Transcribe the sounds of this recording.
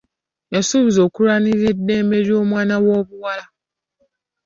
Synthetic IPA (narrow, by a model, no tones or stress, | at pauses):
jasuβizo̞ːkuɾaniɾedːe̞ːmbe̞ɾjo̞ːmwaːnawo̞ːβuwala